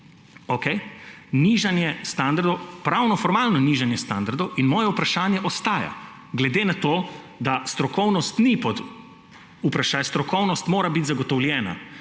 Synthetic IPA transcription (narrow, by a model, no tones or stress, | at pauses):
okej | niʒanjɛst̪and̪aɾd̪ɔwpɾawnɔfɔɾmaːlnɔniʒanjɛst̪and̪aɾd̪ɔwinmɔːjɛupɾaʃaːnjɛʔɔst̪aːja̰ | ɡlɛd̪eːnat̪oː | d̪ast̪ɾɔkɔwnɔst̪nipɔd̪ | upɾaʃaːjst̪ɾɔkɔwnɔst̪moːɾabit̪zaɡɔt̪ɔwljɛːna̰